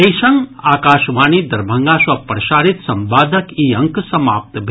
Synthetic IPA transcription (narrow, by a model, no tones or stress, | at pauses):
ɐjʃɐŋɡaːkaːʃʋaːnid̪ɐɾbʱɐ̃ŋɡaːʃʋɐpɾɐʃaːɾit̪sɐmbaːd̪ʱɐkiːɐ̃ŋksɐma̰ːp̚t̪bʱ